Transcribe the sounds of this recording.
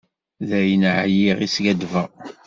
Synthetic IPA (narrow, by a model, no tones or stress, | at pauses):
ðæjənʕjiʁisɡæd̪və